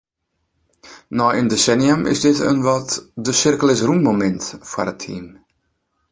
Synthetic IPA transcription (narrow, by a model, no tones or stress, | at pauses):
nɔːʔəndesɛniəmʔɪ̰sdɪtə̰nʋɔtdəsɪrkəlɪsrumːomɛntfa̰rətʰḭm